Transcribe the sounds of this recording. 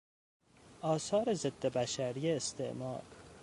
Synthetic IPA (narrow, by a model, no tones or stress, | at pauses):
ʔɒːsɒːɾezed̪̥ːebæʃæɾijeːst̪ʰḛʔmɒ̰ːɾ